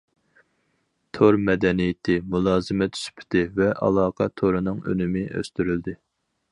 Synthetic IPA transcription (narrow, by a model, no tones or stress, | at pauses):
t̪ʰoɾmɛd̪ɛnijɪt̪ʰɪmulˠɑːzɨmɛt̪ʰːy̥sy̥pʰt̪ɪvɛʔɑ̰lˠɑːqʰɑt̪ʰoɾɨnɨŋø̰nymɪʔø̰st̪yɾyld̪ɪ